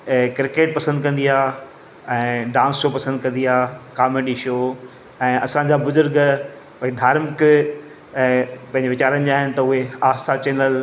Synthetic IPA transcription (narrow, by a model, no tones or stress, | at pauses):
kɾɪkeːʈ̚pɐsə̃nd̪̚kɐ̃nd̪iaː | ɛ̃ːɖãːnsʃoːpɐsə̃nd̪̚kɐ̃nd̪iɦaːkaːmeɖiʃoː | ɛ̃ːɐsãd͡ʑabʊzʊɾɡ | ʊɦed̪ʱaːɾmk | pɐ̃ɪ̃ɲd͡ʑeʋɪt͡ɕaːɾənɪ̆d͡ʑaːɦɪnɪ̆t̪ɐʊɦeaːst̪ʰat͡ɕeːnəl